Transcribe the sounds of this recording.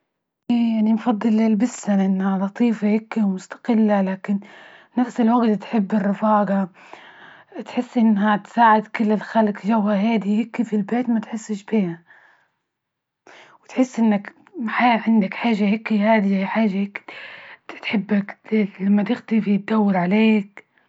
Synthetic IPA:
ʔiːjaʕnimfɑd̪ˤːɨlːɪlbɪsːanʔɪnːhalɑt̪ˤiːfahɪkːiwmʊst̪ḁqɪlːalaːkɪnnafsɪlwaɡt̪t̪ħɪbːɪrːɪfaːɡɑ | t̪ħɪsːʔɪnːhat̪saːʕɪd̪kɪlːɪlxalkʒawhaɦaːd̪ihɪkːifilbeːt̪mat̪ħɪsːɪʃbiːha | wɪt̪ħɪsːʔɪnːak | ħaːʕɪnd̪akħaːʒːahɪkːihaːd̪iajħaːʒːaɪk | t̪ħɪbːaklamːat̪ɪxt̪ifit̪̚d̪awːɪɾʕaleːk

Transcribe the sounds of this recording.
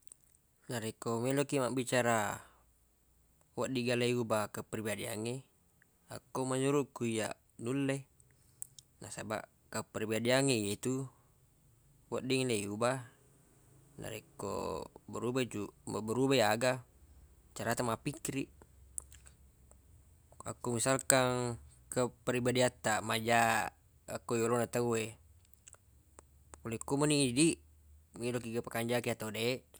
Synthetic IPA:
naɾekomelokiʔmaʔbit͡ʃaɾa | waʔdiɡalajubakəpribadia̰ŋe | a̰kːoumaɲuɾuʔkuija̰ | nulːe | nʔasaba̰ʔ | kəpribadiaŋeijet̪u | waʔdiŋlejuba | na̰ɾḛkːo̰bəɾubad͡ʒumabəɾubajaɡa | t͡ʃaɾat̪amapikiɾiʔ | a̰komisalkaŋ | kəpəɾibadiat̪ːamad͡ʒa | akojolonat̪aue | olekomanidi | milokiɡapakaɲd͡ʒakiat̪aude

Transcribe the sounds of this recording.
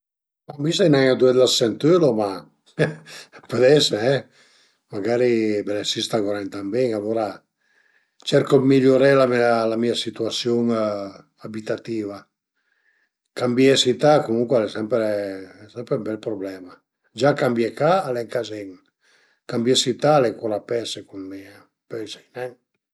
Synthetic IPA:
ambisajnajad̪uɛd̪lasɛnt̪øloma | pød̪ɛsɛ | maɡaːɾibɛlɛsist̪aɡoɾɛnt̪ambeŋaloːɾa | t͡ʃɛɾkomiʎoɾɛlamialamiːasit̪uasjoŋ | abit̪at̪iːva | kambjesit̪akomuŋkwɛlɛsɛmpɾesɛmpɾembɛlpɾoblɛːma | d͡ʒakambjɛkaːlɛŋkazɛŋ | kambjɛsit̪alɛkuɾapɛsekunmɛa | pɛjsajnɛŋ

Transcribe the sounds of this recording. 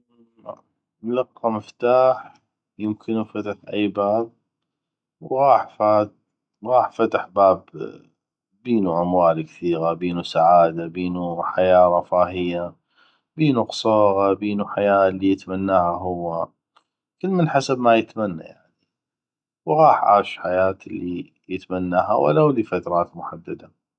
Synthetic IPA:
laqːamɪft̪aːħ | jɪmkʰɪnufat̪ɪħʔajbaːb̚ | wɣɑːħfaːt̪̚ | ɣɑːħfat̪ɪħbaːb | biːnuʔamwaːlkθiːɣabiːnusaʕaːd̪abiːnuħajaːɾˤɑfaːɦɪjːa | biːnuqsˤoːɣabiːnuħajaːlːijət̪manːaːhaɦʊwːa | kɪlːmɪnħasabmajət̪manːa̰jaʕni | wɣɑːħʕa̰ːʃħajaːt̪əlːi | jət̪manːaːɦa̰wa̰lːawlifat̪ɾˤɑːt̪mʊħad̪ːad̪a

